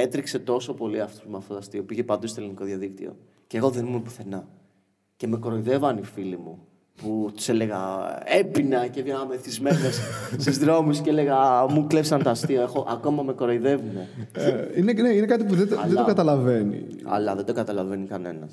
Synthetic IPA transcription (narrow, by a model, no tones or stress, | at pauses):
e̞t̪ɾikse̞t̪o̞so̞po̞liɐft̪o̥mɐft̪ot̪ost̪io̞piʝe̞pɐnd̪ust̪oliniko̞ðjɐðikt̪ḭo̞̰ | ceɣo̞ðenimumepu̥θe̞nɐ | ce̞me̞koɾo̞iðe̞vɐnifilimu | put̪u̥sele̞ɣɐe̞pinacevʝɐameθizmenesssizðɾo̞misceele̞ɣɐmuklepsɐnt̪oɐstt̪ioexo̞ʔɐko̞mɐme̞koɾo̞iðe̞vine̞ | ineneinekɐt̪ipuðeɐ̰lðeoɡɐt̪ɐlɐve̞nḭ | ɐ̰lɐðed̪oɡɐt̪ɐlɐve̞nikɐne̞̰nɐ̰s